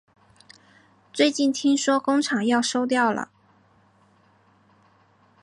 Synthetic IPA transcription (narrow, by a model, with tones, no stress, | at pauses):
t͡swe˥˧ɪt͡ɕi˥˩nt̪ʰi˥ŋʂwɔ˥kʊ˥ŋʈ͡ʂʰɑ˨˩ŋjɑ˥˩ʊʂo˥ʊt̪̬jɑ˥˩ʊlə̰˩